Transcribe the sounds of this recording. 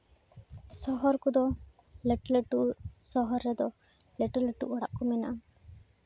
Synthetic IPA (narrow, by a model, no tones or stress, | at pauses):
sɔɦɔɾkud̪ɔ | leʈleʈusɔɦɔɾːɛd̪ɔ | leʈɔleʈṵʔɔɽaʔkɔmɛna̰ʔa